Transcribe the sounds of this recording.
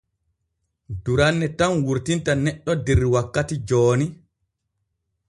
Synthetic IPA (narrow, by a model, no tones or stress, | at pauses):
duɾanːɛtanwuɾtintanɛɗːɔdeɾːiwakːatid͡ʒɔːni